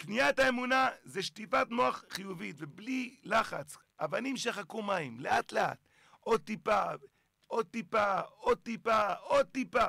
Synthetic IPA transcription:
knijat̪aemunazeʃtifat̪no̞aχχijuvit̪veblilaχa̰t͡s | ʔavanimʃeχakumaimleat̪lea̰t̪ | od̪̚t̪ipa | od̚t̪ipaod̪̚t̪ipaod̪̚t̪ipa

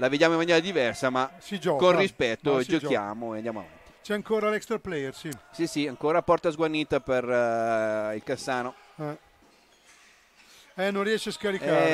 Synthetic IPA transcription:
laved̪jaːmoimːanjɛːɾad̪ivɛrsamasid͡ʒɔkːonrispɛt̪ːod͡ʒokja̰ːmoeand̪jamoa̰va̰nt̪i̥t͡ʃɛaŋkoːɾalɛkst̪ɾaplɛjɛɾsisisiaŋkoːɾapɔrt̪azɡwanːiːt̪aper | ilkasːaːno | ɛ | ɛnõnrːiɛʃeaskaɾika

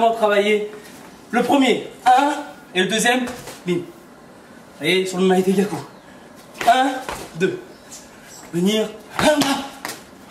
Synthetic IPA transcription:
mɑ̃t̪χavaje | ləpχəmjeɛ̃ | eləd̪øzjɛmmim | sajesyʁəmait̪eɡʲako | ɛ̃d̪ø | vəniʁɛ̃a

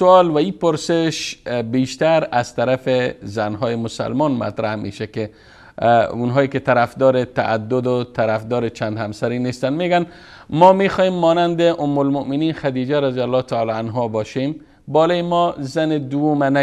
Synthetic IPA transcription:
sʊɔlwaipʊɾsɪʃbeʃt̪aɾaz̥t̪aɾafɪzanɦɔːjɪmʊsa̰lmɔnma̰t̪ɾahmḛʃakɪ | unɦɔjekɪt̪aɾafd̪ɔːɾɪt̪aʔːd̪ːʊd̪ʊt̪ʰaɾafd̪ɔːɾɪt͡ʃʰand̪hamsaɾinest̪anmeɡan | mɔmexɔjemːɔnand̪ɪʔʊmːʊlmʊʔmɪninxad̪id͡ʒaɾazjalːɒt̪ʰaɔlɔanɦɔbɔʃem | bɔlɔjɪmɔzanɪd̪uwumana

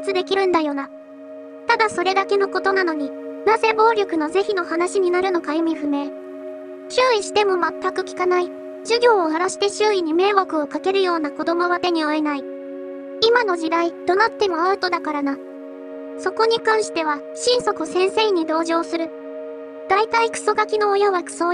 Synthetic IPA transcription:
t͡sɨd̪e̞kʲiɾɯ̟̃nd̪ajo̞na | t̪ad̪aso̞ɾe̞d̪ake̞no̞ko̞t̪o̞nano̞ɲ̟inaze̞bo̞ːɾʲo̞kɯ̟no̞ze̞çino̞hanaɕiɲ̟inaɾɯ̟no̞kajomʲiɸɯ̟me̞ː | t͡ɕɨːiɕi̥t̪e̞mo̞mat̪ːakɯ̟kʲi̥kanai | ʑ̥ɨɡʲo̞ːaɾaɕi̥t̪e̞ɕɨːiɲ̟ime̞ːβakɯ̟o̞kake̞ɾɯ̟jo̞ːnako̞d̪o̞mo̞βat̪e̞ɲ̟io̞e̞nai | imano̞ʑid̪aid̪̥o̞nat̪ːe̞mo̞aɯ̟t̪o̞d̪akaɾana | so̞ko̞ɲ̟ikãɰ̃ɕi̥t̪e̞βa | ɕĩɰ̃so̞kɯsẽ̞ɰ̃se̞ːɲ̟id̪o̞ːʑo̞ːsɨɾɯ̟ | d̪̥ait̪aikɯ̟̥so̞ɡakʲino̞ːjaβakɯ̥so

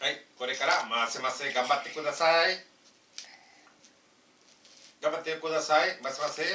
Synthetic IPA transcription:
ajkoɾikaɾamasɪmasɪɡambat̪ɪkuðasaj | ɡambat̪ekuðasajmasimasɪ

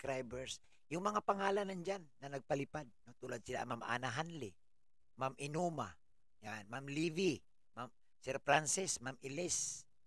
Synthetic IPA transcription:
kɾajbɛɹs | jʊŋmɐŋapaŋaːlanand͡ʒanːɐnɐɡ̚palɪpad̪̚not̪ulad̪̚sɪla̰ʔmamʔa̰naɦanlɪ | mamɪnuma | janmamlivi | mam | sɛɾpɾansɪsmamʔɪlɛs

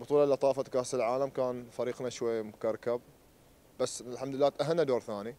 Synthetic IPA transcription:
bɨt̪ˤuːlɑʔlʔɑt̪ˤɑːfat̪kaːsɪlʕaːlamkaːnfaɾiːqnaʃwajːamkaɾˤkab̚ | basːlħamd̪ɪlːaːt̪ʔaɦanːad̪oːɾˤθaːni

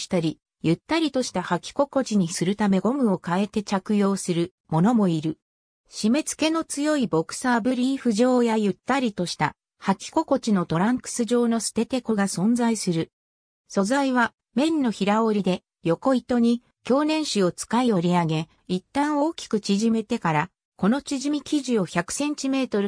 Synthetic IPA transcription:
i̥t̪aɾʲi | jɯt̪ːaɾʲit̪o̞ɕi̥t̪ahakʲi̥ko̞ko̞t͡ɕiɲ̟isɨɾɯ̟t̪ame̞ɡo̞mɯ̟o̞kae̞t̪e̞t͡ɕakɯ̟jo̞ːsɨɾɯ̟ | mo̞no̞mo̞iɾɯ̟ | ɕime̞t͡sɨ̥ke̞no̞t͡sɨjo̞ibo̞kɯ̟̥saːbɯ̟ɾʲiːɸɯ̟ʑo̞ːjajɯ̟t̪ːaɾʲit̪o̞ɕi̥t̪a | hakʲi̥ko̞ko̞t͡ɕino̞t̪o̞ɾãŋkɯ̟̥sɨʑo̞ːno̞sɨ̥t̪e̞t̪e̞koɡasõ̞nd͡zaisɨɾɯ̟ | so̞zaiβ̞a | mẽ̞nːo̞çiɾao̞ɾʲid̪e̞ | jo̞ko̞it̪o̞ɲ̟i | kʲo̞ːnẽ̞ɰ̃ɕio̞t͡sɨ̥kaio̞ɾʲiaɡe̞ | it̪ːãɰ̃o̞ːkʲi̥kɯ̟t͡ɕiʑime̞t̪e̞kaɾa | ko̞no̞t͡ɕiʑimʲikʲiʑio̞çʲakɯ̟̥sẽ̞ɲ̟t͡ɕime̞ːt̪o̞ɾɯ̟

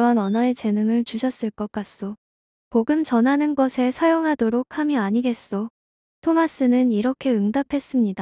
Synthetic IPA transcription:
ʌnʌnʌet͡ɕe̞nɯŋɯɭt͡ɕuɕʰʌs͈ɯɭk͈ʌk͈̚as͈o | poɡɯmt͡ɕʌnɦanɯnɡʌsʰe̞sʰajoŋɦadoɾok̚ʰhamiaɲiɡe̞s͈o | tʰomas͈ɯnɯniɾʌkʰe̞ɯŋdapʰe̞s͈ɯmɲida

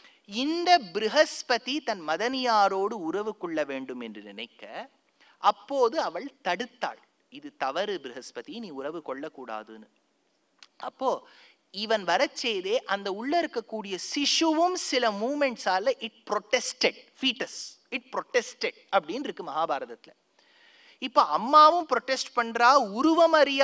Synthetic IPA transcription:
ɪnd̪ɐbɪɾɪɦɐspɐðit̪ɐnmɐðɐnɪjaːɾoːɽɯʊɾɐʋɯkɔɭːɐʋeːɳɖɯmɛndrɯnɪnɐɪkːɐ | ɐpːoːðɯɐʋɐɭt̪ɐɽɯt̪ːa̰ːɭ | ɪðɯt̪ɐʋɐɾɯbɾɪɦɐspɐt̪iniːʊɾɐʋɯkɔɭːɐkːuːɽa̰ːðɯnɯ | ɐpːoː | ɪʋɐnʋɐɾɐt͡ʃːɛjðeːʔɐnd̪ɐʊɭːɐɪɾɯkːɐkːuːɽɪjɐsɪʂɯʋɯmsɪlɐmuːmɛɳʈsaːlɐʔɪʈ̚pɾɔʈːɛsʈɛɽfiːʈːɐsɪʈ̚pɾɔʈːɛsʈɛɽɐpːɐɽɪnɪɾɯkːɯmɐɦaːbaːɾɐðɐt̪ːɪlɐ | ɪpːoːɐmːaːʋɯ̃mpɾɔʈːɛsʈpɐɳɾaːʊɾʊʋɐmɐɾɪj

